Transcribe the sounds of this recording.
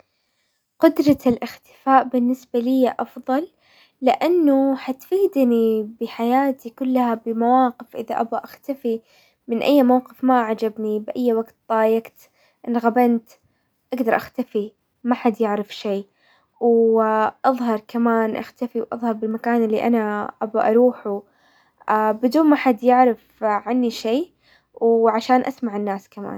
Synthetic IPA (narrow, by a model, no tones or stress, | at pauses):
qʊd̪ɾˤɑlʔɪxt̪ɪ̥faːʔbɪnːɪsbalɪjːaʔɑfðˤɑlː | ɪʔanːʊħat̪fiːd̪nibɪħajaːt̪ikʊlːahabɪmawaːqɪfʔɪ̰ða̰ʔa̰baʔaxt̪afi | mɪnʔajːmawqɪfmaʕad͡ʒabnibʔajːwaɡt̪d̪ˤɑːjaɡt̪ | ʔɪnɣabant̪ | ʔaɡd̪ɑɾˤʔaxt̪afi | maħad̪jɪʕɾɪfʃeː | wʔɑðˤɦɑɾˤkamaːnʔa̰xt̪afiwʔɑ̰ðˤhɑɾˤbɪlmakaːnʔɪlːiʔa̰naʔabaʔɑɾˤuːħu | ʔaːbɪd̪uːnmaħad̪jɪʕɾɪfʕanːiʃeː | wʕaʃaːnʔasmaʕɪnːaːskama̰ːn